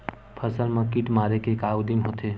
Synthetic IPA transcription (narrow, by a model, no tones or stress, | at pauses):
pʰəsəlmə̃kiʈmaːɾekekaːud̪imɦot̪ʰe